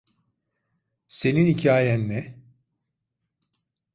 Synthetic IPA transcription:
se̞ninicʰaːjænːɛ

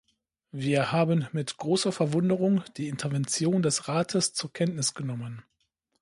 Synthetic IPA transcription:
viːɐhaːbənmɪtɡ̥ʁoːsɐfɛɐvʊndəʁʊŋd̥iːɪntʰɐvɛnt͡sjoːndɛsʁaːtʰəst͡suːɐkʰɛntnɪsɡ̥ənɔmən

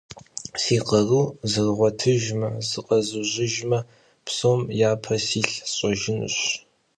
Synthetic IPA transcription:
siːqɐruːzɨrʁʷɔtʰɨʒmɐzɨqʼɐzɨʑɪʒmɐ | psoːmjaːpʰɐsiːɬɕʼɐʒɪnɨ̰ɕ

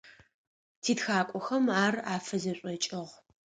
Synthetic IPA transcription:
tʰiːtxaːkʷʼɔxɐmaːraːfɐzɐɕʷʼɐt͡ʃʼɪʁʷ

